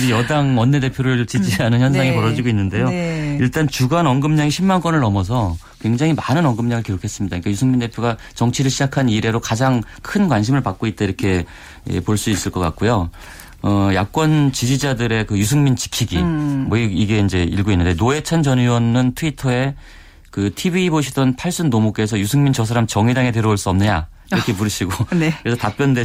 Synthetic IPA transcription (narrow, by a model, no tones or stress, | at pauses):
d͡ʑejʌdaŋʌnːe̞de̞pʰjoɾɯɭt͡ɕid͡ʑiɦanɯnçjʌnsʰaŋipʌɾʌd͡ʑiɡoinːɯnde̞joiɭt͈ant͡ɕuɡanʌŋɡɯmɲaŋiɕʰimːank͈ʌnɯɭnʌmʌs̬ʰʌ | kwe̞ŋd͡ʑaŋimanɯnʌŋɡɯmɲaŋɯɭkiɾokʰe̞s͈ɯmɲidaik͈ajusʰɯŋminde̞pʰjoɡa | t͡ɕʌŋt͡ɕʰiɾɯɭɕʰid͡ʑakʰaniɾe̞ɾokad͡ʑaŋ | kʰɯnkwanɕ̬ʰimɯɭpak̚k͈oit̚t͈aiɾʌkʰe̞ | ḛpoɭs͈uis͈ɯɭk͈ʌk͈a̰t̚k͈ojo | ʌjak̚k͈wʌnt͡ɕid͡ʑid͡ʑadɯɾe̞kɯjusʰɯŋmint͡ɕi̥kʰiɡimʌiiɡe̞ind͡ʑe̞iɭɡoinːɯnde̞noe̞t͡ɕʰand͡ʑʌniwʌnːɯntʰɯuitʰʌe̞ | kɯtʰibiːboɕʰidʌnpʰaɭs͈unːomok͈e̞sʰʌjusʰɯŋmint͡ɕʌsʰaɾamt͡ɕʌŋidaŋe̞teɾʌoɭs͈uʌmnɯɲa̰ | iɾʌkʰe̞puɾɯɕʰiɡonkɾesʰʌtap͈jʌnde